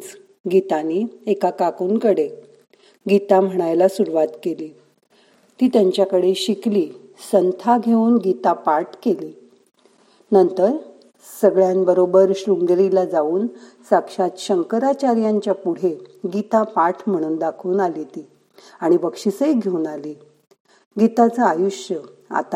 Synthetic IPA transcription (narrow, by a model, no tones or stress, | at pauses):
t͡s | ɡit̪aniekakakuːnkəɽe | ɡit̪am̤əɽ̃ajlasuɽʋat̪keliː | t̪iːt̪jaɲt͡ɕjakəɽeɕikliː | sənt̪ʰaɡʱeuːnɡit̪apaʈkeliː | nənt̪əɾ | səɡɭjanbəɾobəɾɕɾuŋɡɾilad͡zauːn | sakʂat̪ɕəŋkəɾat͡ɕaɾjaɲt͡ɕjapuɽ̤eɡit̪apaʈʰm̤əɽ̃uːnd̪akʰuːnalit̪iː | aɽ̃ibəkʂisəjɡʱeuːnaliː | ɡit̪at͡səajuɕjəa̰t̪a